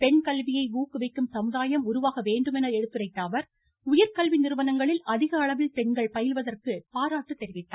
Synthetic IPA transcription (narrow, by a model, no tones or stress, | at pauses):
pɛɳkɐlʋɪjɐɪʋuːkːɯʋɐɪkːɯmsɐmɯðaːjɐmʊɾʊʋaːɣɐʋeːɳɖɯmɛnɐɛɽɯt̪ːɯrɐɪʈːaːʋɐɾ | ʊjɐɾkɐlʋinɪɾɯʋɐnɐŋɡɐɭɪlʔɐðɪɣɐːɭɐʋɪlpɛɳɡɐɭpɐjɪlʋɐðɐrkɯpaːɾaːʈːɯt̪ːɛɾɪʋɪʈːaː